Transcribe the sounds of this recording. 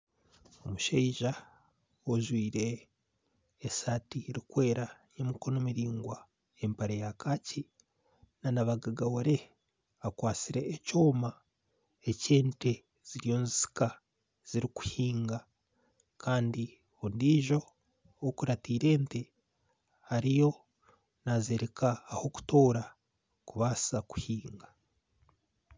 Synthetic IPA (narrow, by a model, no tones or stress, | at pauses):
o̞muʃeiʒa | oʒwiːɾe | saːtiɾikwe̞ːɾajemuko̞no̞miɾiːŋɡwa | e̞mpaɾejakaci | nanaβaɡaɡawaɾe̞ | akwaːt͡siɾe̞ːcoːma | ece̞ːnte | z̥iɾijo̞nzisi̥ka | z̥iɾiku̥hiːŋɡa | kʰaːndi | ondiːʒo̞ | okuɾatiːɾe̞ːnte | haɾijo̞ | nazeɾekʰaːho̞ku̥toːɾa | kuβasaku̥hiːŋɡḁ